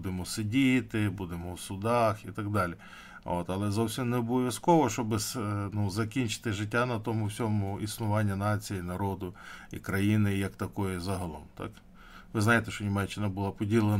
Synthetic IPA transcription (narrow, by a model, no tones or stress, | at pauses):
d̪ɪmɔsɪdʲit̪ɪbud̪emɔwsʊd̪ɑxit̪ɐɡd̪ɑlʲi | o̰t̪ɐlˠɛzɔwsʲimnɛɔbɔɔʋʲjɐskɔʋɔʃt͡ʃɔbɪsnuzɐkʲinʲt͡ʃɪ̥t̪ɪʒɪtʲːanɐt̪ɔmʊwsʲɔmʊisnʊʋɑnʲːɐnɑt͡sʲijinɐɾɔd̪ʊḭkɾɐjinɪjɐkt̪ɐkɔjizɐɦɐlˠɔmt̪ɑ̰k | ʋɪznɑjet̪ɛʃt͡ʃɔnʲimɛt͡ʃːɪnɐbʊlˠɑpɔdʲilˠen